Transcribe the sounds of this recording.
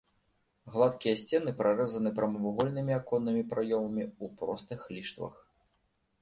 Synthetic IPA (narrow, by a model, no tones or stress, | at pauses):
ɣlˠat̪kʲijɐsʲt͡sʲɛnɨpɾʔaɾɛzɐnɨpɾɐmɐvuɣɔlʲnɨmʲiakɔnːɨmʲipɾajɔmɐmʲiupɾɔst̪ɨxlʲiʂt̪vɐ̰x